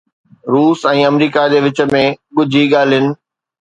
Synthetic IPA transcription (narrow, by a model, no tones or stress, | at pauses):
ɾuːsɛ̃ːɐmɾiːkad͡ʑeːʋɪt͡ɕə̆mẽɠʊd͡ʑʱiɠaːl̤iɪʊnɪ̆